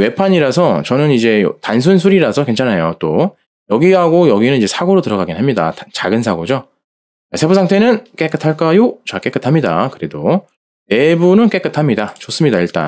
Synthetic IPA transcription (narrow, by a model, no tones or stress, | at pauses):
we̞pʰaɲiɾasʰʌt͡ɕʌnɯnid͡ʑe̞j̰tans̬ʰunsʰuɾiɾasʰʌkwe̞nt͡ɕʰanajot͈o | jʌɡiɦaɡojʌɡinɯnid͡ʑe̞sʰaɡoɾotɯɾʌɡaɡinɦamɲida̰tat͡ɕaɡɯnsʰaɡod͡ʑo | asʰe̞busʰaŋtʰe̞nɯnk͈e̞k͈ɯtʰaɭk͈ajot͡ɕak͈e̞k͈ɯtʰamɲida̰kɯɾe̞do | e̞bunɯnk͈e̞k͈ɯtʰamɲidat͡ɕos͈ɯmɲidaiɭt͈a̰n